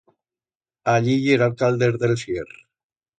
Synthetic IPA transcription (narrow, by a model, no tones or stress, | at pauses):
aʎijeɾalkald̪eɾðelsier